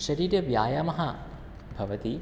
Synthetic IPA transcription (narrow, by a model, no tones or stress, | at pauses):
ʃɐɾiːɾʲɐʋjaːjaːmɐɦa | bʱɐʋɐt̪i